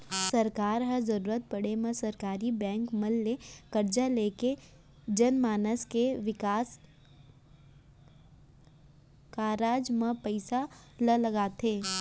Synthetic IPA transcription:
sɐɾkaːɾɦɐzɐɾuːɾət̪̚pɐɽemẽsɐɾkaːɾibɛ̃ːŋkmɐlːekɐɾd͡ʒaleːke | d͡ʒɐnmaːnəskeʋɪkaːs | kaɾaːd͡ʒmẽpəɪsa | ləlɐɡaːt̪eː

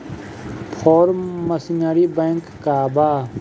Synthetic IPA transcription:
pʰɔːɾməsinaɾibɛ̃ːŋkːaːbaː

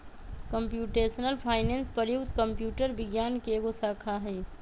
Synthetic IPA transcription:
kəmpjuːʈeːsənəlpʰaːɪneːnspəɾjʊkt̪kəmpjuːʈəɾbɪɡjaːnkeɡosaːkʰaɦɛː

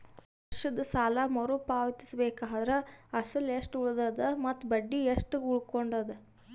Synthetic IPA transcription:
ɐʂɐd̪ɐsaːlɐmɐɾupaːʋɐt̪i̥sɐbeːkaːd̪ɐɾeɐsɐleʂʈuɭd̪ɐd̪ɐmɐt̪ːbɐɖːieʂʈuuɭkoɳɖɐd̪ɐ

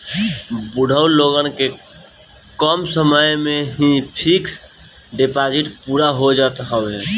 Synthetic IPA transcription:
buɽ̤ʱəuloɡənke | kəmsəməjmẽɦĩpʰiks | ɖepad͡ʒiʈpuɾaɦod͡ʒat̪ɦəbɛ̃

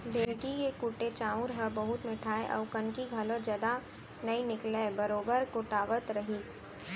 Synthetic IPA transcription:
d̪ʱeːɾkijekʊʈet͡ʃaːʊ̃ɾɦɐbɐɦʊt̪mɪʈʰaːeʔɔ̰ːʋkɐ̃ɳkiɡʱalõd͡ʒɐd̪a | nɐinɪklebɐɾoːbəɾkʊʈaːʋət̪ɾɐɦiːs

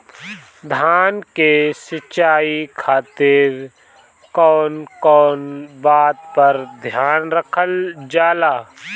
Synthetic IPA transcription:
d̪ʱjaːnkesɪt͡ʃaːikʰaːt̪ɪɾ | kɔːnkɔːnbaːt̪pəɾd̪ʱjaːnɾəkʰəld͡ʒaːlaː

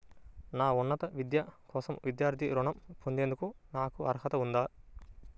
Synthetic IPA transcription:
naːunːɐt̪ɐʋid̪jɐkɔːsɐmʋid̪jaːɾt̪ʰiɾuɳɐmpund̪e̞ːnd̪ukunaːkuɐɾɐɦɐt̪ɐund̪aː

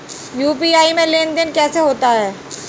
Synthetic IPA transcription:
juːpiaːimẽleːnd̪ɪnkɛːseɦoːt̪aɦɛː

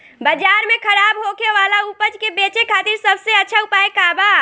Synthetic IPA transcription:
bəd͡ʒaɾmekʰəɾabɦokeʋalaupəd͡ʒkebet͡ʃekʰat̪iɾsəbseətːʃʰaupaekaba

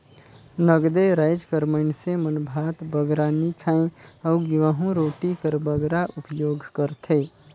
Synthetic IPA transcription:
nəɡd̪eɾaɪd͡ʒkəɾməɪnsemənbʱat̪bəɡɾanikʰaẽəuɡiʋəɦũɾoːʈikəɾbəɡɾaʔupjoːɡʱkəɾt̪ʰe

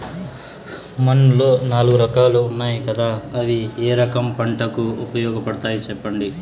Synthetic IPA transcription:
mɐnlo̞ːnaːluɡuɾɐkaːluunːaːjikɐd̪aːɐʋieːɾɐkɐmpɐɳʈɐkuupɐjɔːɡɐpɐɽɐt̪aːjit͡ʃɛpːɐɳɖi

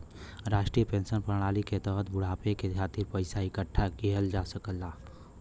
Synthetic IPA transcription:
ɾaːʃʈɾiːjəpẽːnsənpəɾɽ̃aːliket̪ɔːɦət̪̚bʊɽ̤aːpekekʰaːt̪ɪɾpəɪsaɪkəʈʰːakiɦəld͡ʒaːsəkəlːaː

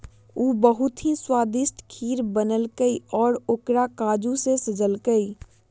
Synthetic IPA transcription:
uːbəɦʊt̪ɦiswaːd̪ɪsʈ̪kʰiːɾbənəlkəiɔːɾokɾakaːd͡ʒũsesəd͡ʒəlɡəi

